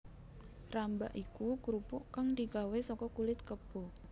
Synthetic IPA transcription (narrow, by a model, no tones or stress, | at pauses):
ramba̰ʔikukuɾupʊʔkaŋd̪ikawesɔkɔkulɪt̪̚kəb̥o